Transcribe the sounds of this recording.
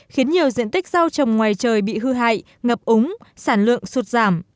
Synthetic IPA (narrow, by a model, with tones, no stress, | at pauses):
xi˨˦ənɲi˨˩əwzḭ˧˨ənt̪ï˦˥k̚zaː˧wt͡ɕə˨˩wŋ͡mŋwaː˨˩jt͡ɕəː˨˩jɓḭ˧˨ɦɨ˧ɦa̰ː˧˨j | ŋə˨˩p̚ʔʊ˨˦ŋ͡msaː˧˩nlwɨ̰˧˨əŋsu˨˩t̚zaː˧˩m